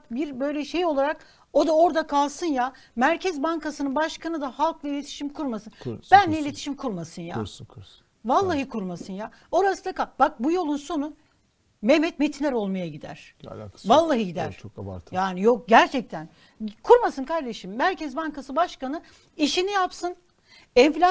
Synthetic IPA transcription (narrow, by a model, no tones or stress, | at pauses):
kbiɾbø̞jlʲɛʃejo̞lˠaɾak | o̞d̪ao̞ɾd̪akʰalˠsɯnja | mæɾcʰɛzbankasɯnɯnbaʃkʰanɯd̪ahalˠkvɛilʲe̞t̪ʰi̥ʃimkʰuɾmasɯnb̥ænlʲɛilʲe̞t̪ʰiʃimkʰuɾmasɯnja̰ | valˠːaɦɯkʰuɾmasɯnja | o̞ɾasɯd̪ˠakab̥ak̚bujo̞lˠunso̞nu | memɛt̪̚met̪ʰinlʲɛɾo̞lˠmajaɟid̪æ̰ɾ̥̰ | valˠːaɦɯɟid̪æ̰ɾ̥t͡ʃʰokba̰ɾʰjaːnijo̞k̚ɟæɾt͡ʃʰɛc̚t̪ʰæn | kʰuɾmasɯnkʰaɾd̪e̞ʃimːæɾcɛzbankasɯbaʃkanɯ | iʃinijapsɯn | ɛnflʲa